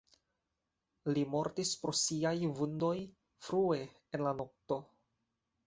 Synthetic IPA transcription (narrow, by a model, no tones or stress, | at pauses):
limo̞ɾtispɾo̞siajvundo̞j | fɾue̞ | enlano̞k̚to̞